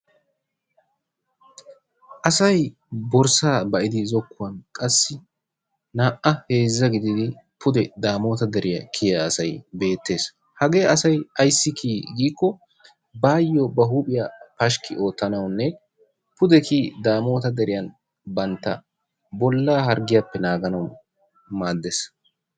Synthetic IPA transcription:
ʔɐsɐj | bɔɾsaːbɐʔɪd̪ɪzɔkːʊwɐnkʼɐsːɪ | naːʔɐhe̞ːzːɐɡɪd̪ɪd̪ɪ | pʰʊd̪ɛd̪aːmo̞ːt̪ɐd̪ɛɾɪjɐ̰kʰɪjɐːsɐjbe̞ːt̪ːe̞ːs | hɐɡe̞ːɐsɐjɐjsːɪkʰiːɡiːkːɔ | baːjːɔbɐɦuːpʼɪjapɐʃkɪʔo̞ːt̪ːɐnɐwnːɛ | pʊd̪ɛkʰiːd̪aːmo̞ːt̪ɐd̪ɛɾɪjɐn | bɐnt̪ːɐ̰ | bɔlːaːɦɐɾɡɪjapːɛnaːɡɐnɐw | maːd̪ːes

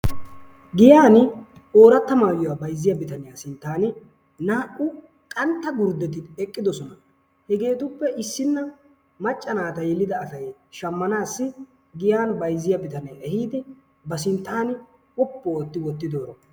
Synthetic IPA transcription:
ɡɪjaːnɪ | o̞ːɾɐt̪ːɐmaːjɔwaːbɐjzːɪjɐbɪt̪ɐnɪjaːsɪnt̪ːaːnɪ | naːʔʼʊ | kʼɐnt̪ːɐɡʊɾd̪ɛt̪ɪɛkʼːɪd̪ɔsɔnɐ | hɛɡe̞ːt̪ʊpːɛʔɪsːɪnːɐ | mɐt͡ʃʼːɐnaːt̪ɐjɛlːɪd̪ɐːsɐjʃɐmːɐnaːsːɪ | ɡɪjaːnbɐjzːɪjɐbɪt̪ɐnɛjɛhiːd̪ɛ | bɐsɪnt̪ːaːnɪ | ɔpːooːt̪ːɪwɔt̪ːɪd̪o̞ːɾɔ

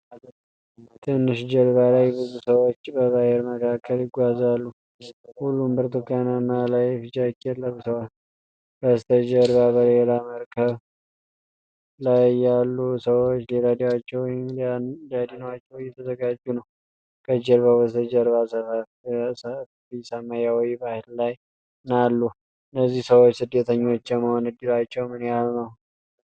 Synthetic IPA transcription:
t̪ʰɨnːɨʃd͡ʒəɾβalajbɨzusəwot͡ʃːbəzaheɾməkʰakʰːəljɪɡʷazalːu | hulːumbɨɾt̪ɨkːjananːalajfɨd͡ʒakːɛlːəβɨsəwa | bəst̪ʰəd͡ʒəɾβaβəlelaməɾkʰəβ | lajːalːusəwot͡ʃːlelad̪iwat͡ʃːɛwmlad̪inəwat͡ʃːɛwjɛt̪ʰəzəɡad͡ʒːunəw | kʼəd͡ʒɛɾβabəst̪əd͡ʒəɾβasəfəfsə | isamajawjbahɪllaj | nalːu | ɨnːəzːihsəwot͡ʃːsɨd̪ːət̪ʰəɲːo̞t͡ʃːɛməhonɨd̪ɨɾat͡ʃːɛwmɨnjalnəw

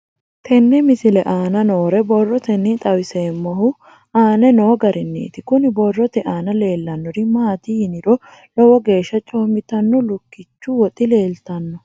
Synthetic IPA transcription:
t̪ʰɛnːɛmɪsɪlɛʔaːnɐnoːɾɛbɔrːɔt̪ɛnːit̪ʼɐwɪseːmːɔhʊ | aːnɛno̞ːɡɐɾɪnːḭːt̪ɪkʊnɪbɔrːɔt̪ɛʔaːnɐle̞ːlːɐnːɔɾɪmaːt̪ihɪnɪɾɔ | lɔwɔɡe̞ːʃːɐt͡ʃʼoːmɪt̪ɐnːɔlʊkːɪt͡ʃːuwɔt̪ʼɪle̞ːlt̪ɐnːɔ

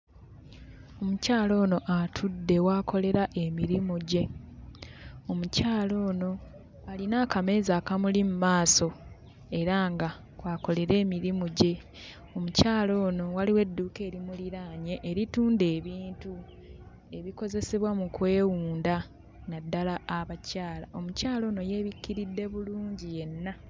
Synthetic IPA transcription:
o̞mucaːlo̞ːno̞ʔatʰudːe̞waːko̞le̞ɾaʔe̞miɾimuɟe̞ | omucaːlo̞ːno̞ | alinaːkame̞ːzaːkamulimumaːso̞ | e̞ɾaːŋɡa | waːko̞le̞ɾe̞ːmiɾimuɟe̞ | o̞mucaːlo̞ːno̞waliwe̞dːuːke̞ːɾimuliɾaːɲe̞ʔːɾituːnde̞ːβiːntu | e̞βiko̞ze̞seβwamukwe̞ːwuːnda | nadːalaːβacaːla̰ʔo̞mucaːlo̞ːno̞je̞ːβikːiɾidːe̞βuluːɲɟije̞nːa

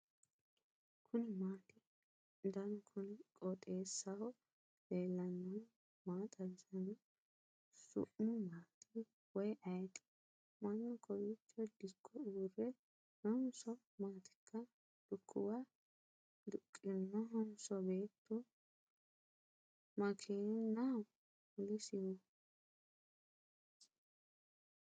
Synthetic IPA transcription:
kʰʊnɪmaːt̪ɪ | d̪ɐnɔkʰʊnɪkʼɔt̪ʼe̞ːsːɐw | leːlːɐnːɔn | maːt̪ʼɐɡɪzɐnɛ | sʊ̰ʔmʊmaːt̪ʰɪ | wɔjʔɐjt̪ʼɪ̥ | mɐnːɔkʰɔwit͡ʃːɔd̪ɪkːɔuːrɛ | hɔnsɔ | maːt̪ɪ̥kʰːɐ | d̪̥ʊkʼːɪwa | d̪ʊkʼːɪnːɔɦɔnsɔbe̞ːt̪ʰːʊ | mɐkʰinaw | ɡɪsɪwɔ

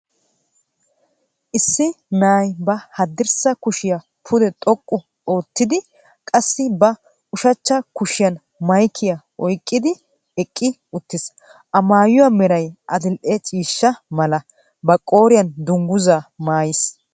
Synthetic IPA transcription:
ʔɪsːɪnaːjbɐhɐd̪ːɪɾsɐkʊʃɪjɐ | pʰʊd̪ɛt̪ʼɔkʼːʊ | oːt̪ːɪd̪ɪ | kʼɐsːɪbɐ | ʔʊʃɐt͡ʃːɐkʊʃɪjɐn | mɐjkʰːɪjɐ | ɔjkʼːɪd̪ɪ | ɛkʼːɪ | ʊt̪ːɪs | ʔɐmaːjʊwamɛɾɐjʔɐd̪ɪlʔɛt͡ʃʼiːʃːɐmɐlɐ | bɐkʼo̞ːɾɪjɐnd̪ʊŋɡʊzaːmaːjɪs

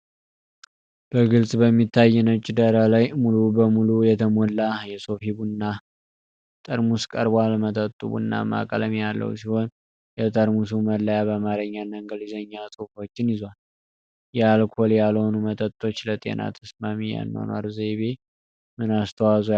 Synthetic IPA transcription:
b̥əɡɨlsʼbəmːit̪ʰːajːɛnəwt͡ʃʼːɪd̪əɾalajmulubəmulujɛt̪ʰəmolːajɛso̞fibunːa | t̪ʼəɾmuskʼəɾbʷalmət̪ʰʼət̪ʼːuβṵnːa̰ma̰kʼələmejalːə̰wsiho̞n | jɛt̪ʼəɾmusuməlːəjabəmaɾəɲːanəŋɡəlizəɲːasʼɨfo̞t͡ʃːɪnjɪzwal | jɛalkʰo̞ljalhonumət̪ʼət̪ʼːo̞t͡ʃːlət̪ʼe̞̰na̰t̪ʰəsmamija̰nːə̰wna̰ɾzeβe̞ | mɨnast̪ʰəwazo

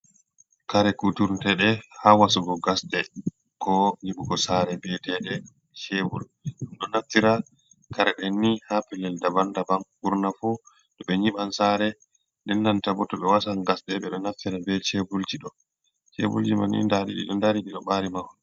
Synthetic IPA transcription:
kaɾɛkutuɾtɛɗɛhawasuɡɔɡasɗɛ | kɔɲiɓuɡɔsaɾɛbɛtɛɗɛ | t͡ʃebul | ɗumɗɔnaftːiɾa | kaɾaɗɛnːihapɛlːɛldabandabanuɾnafu | ɗɔɓɛɲiɓansaɾɛ | ndɛnːantabɔtɔɓɛwasanɡasɗɛɓɛɗɔnaftiɾabɛt͡ʃebuld͡ʒiɗɔ | t͡ʃɛ̰bṵld͡ʒima̰nḭndaɾḭɗḭɗɔndaɾiɗiɗɔɓaɾimaw

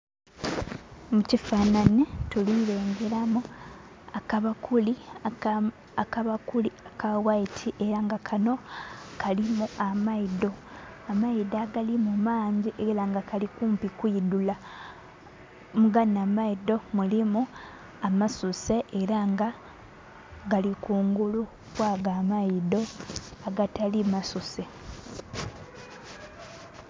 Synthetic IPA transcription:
mucifaːnanituliɾe̞ːŋɡe̞ɾamu | akaβakuli | akaβakuliakawaitʰiʔeɾaŋɡakʰano̞kalimuamaido̞ | amaidaɡalimumaːɲziʔelaŋɡakalikuːmpikwiːdula | muɡanamaido̞mulimu | amasuse̞ʔeɾaŋɡa | ɡalikuːŋɡulu | kwaːɡaːmaido̞aɡatalimasuse̞

